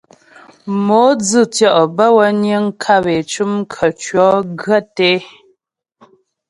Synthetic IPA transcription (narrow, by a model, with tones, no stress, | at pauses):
mo˨˦d͡zɨ˦˨tjɔ˦˨ʔbə˦wə˦njə˦ŋ˦kʰa˦˨be˨t͡ʃu˦m˦kʰə˨t͡ʃɥɔ˨˦ɡə˦˨te˦